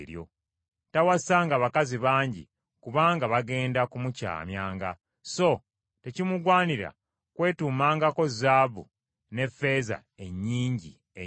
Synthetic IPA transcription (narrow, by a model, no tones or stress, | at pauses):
ɾjo̞̰ | tawasaːŋɡaβakaziβaːɲɟḭ | kuβaːŋɡaβaɡe̞ːndakumuca̰ːmjaːŋɡa | so̞ | te̞cimuɡwaːniɾa̰ | kwe̞ːtuːmaːŋɡako̞zaːβṵ | ne̞fːe̞ːza̰ | e̞ɲːiːɲɟḭ | e